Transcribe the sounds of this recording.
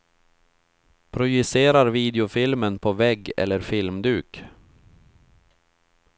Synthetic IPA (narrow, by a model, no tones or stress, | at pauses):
pʰɾʊjɵseːɾaɾviːd̪ɛʊfɪlmənpʰɔvɛɡːɛ̰lːəɾfɪlmd̪ʉːk